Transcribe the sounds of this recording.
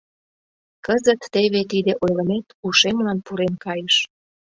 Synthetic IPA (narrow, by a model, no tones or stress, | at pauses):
kəzət̪ːeβet̪id̪eʔojləmet̪uʃemlɑnpuɾenkɑjəʃ